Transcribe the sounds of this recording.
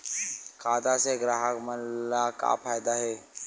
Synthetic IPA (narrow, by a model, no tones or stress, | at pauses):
kʰaːd̪aseɡɾaɦakməlaka̰pʰaːjd̪aɦeː